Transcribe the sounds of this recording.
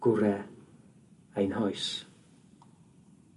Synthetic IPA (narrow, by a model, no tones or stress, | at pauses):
ɡ̥ʊɾɛ | ejnhɔjs